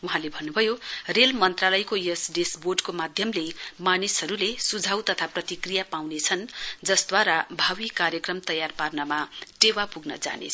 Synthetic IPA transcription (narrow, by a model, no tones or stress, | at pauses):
uɦãlebʱʌnːubʱʌjorelmʌnt̪ralʌjkojesɖesborɖkomad̪ʱjʌmlemanisɦʌɾulesud͡zʱawt̪ʌt̪ʰaprʌt̪ikrijapawnet͡sʰʌnd͡zʌsd̪waɾabʱawikaɾjʌkrʌmt̪ʌjarparnʌmaʈewapuɡnʌ̰d͡za̰nḛt͡sʰ